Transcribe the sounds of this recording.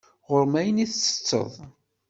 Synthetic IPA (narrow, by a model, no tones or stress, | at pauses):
ʁʊɾmæjəniθt͡sːə̥t͡sːə̰ðˤ